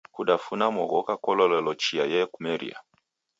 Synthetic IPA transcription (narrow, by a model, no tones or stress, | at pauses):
kuɗafunamwɔɣɔkakɔlɔlɛlɔt͡ʃiajɛkumɛɾḭa̰